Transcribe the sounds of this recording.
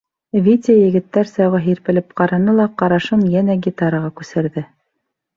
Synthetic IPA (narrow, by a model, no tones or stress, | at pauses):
vʲit̪ʲɪjɘ̆ɡɘ̆t̪ːæɾsɑwʁɤɦiɾpɘ̆lɘp̚qɑɾɑnɤlˠɑqɑɾɑʃɤmjænæɡʲit̪aɾəʁɑkʉsɘ̆ɾðɘ